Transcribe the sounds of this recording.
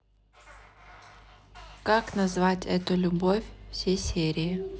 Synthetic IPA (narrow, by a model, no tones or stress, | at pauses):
kaknɐzvatʲɛt̪ʊlʲʊbofʲfsʲejsʲeɾʲɪɪ